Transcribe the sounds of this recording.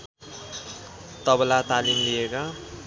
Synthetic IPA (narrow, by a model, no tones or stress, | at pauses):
t̪ʌblat̪alimlieka